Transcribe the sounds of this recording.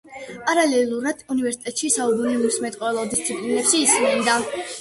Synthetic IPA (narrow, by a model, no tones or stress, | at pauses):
pʼaɾalɛlˠuɾad̪̥univɛɾsi̥t̪ʼɛt̪ʼʃisaubunilismɛt̪ʼqʼɔɛlˠɔd̪ist̪sʰipʼlinɛpʃiːsnɛnd̪a